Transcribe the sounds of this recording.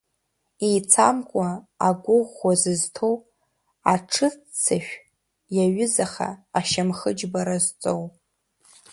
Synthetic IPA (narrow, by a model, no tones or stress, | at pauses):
ijt͡sʰamkʷʼaaɡʷʊʁːʷazɨztʰow | aʈ͡ʂʰɨt͡sʰaʃᶣ | jaɥʊzaχa̰ːʃamχəd͡ʒbaɾazt͡sʼow